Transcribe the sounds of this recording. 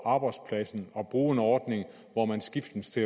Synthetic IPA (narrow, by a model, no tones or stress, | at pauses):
ɑ̈ːb̥ɑ̈ɪd̥spʰlæsn̩ɒ̽b̥ʁuːenɒːd̥ne̝ŋ | ʋɒmænsɡ̥ifd̥n̩st͡sʰe̝